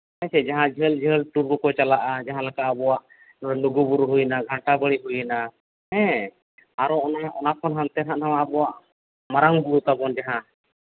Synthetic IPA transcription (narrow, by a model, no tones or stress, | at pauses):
ajsɛd͡ʒaɦãd͡ʒʱəld͡ʒʱəlʈuɾɡɔkɔt͡ʃalaʔad͡ʒaɦãlakaʔabɔwaʔ | luɡubuɾuɦujnaɡʱãɳʈabəɽiɦujna | hɛ̃ | aɾɔɔnaɔnakʰɔnɦant̪ɛɦãʔnawaʔabɔwaʔ | maɾaŋbuɾut̪abɔnd͡ʒaɦã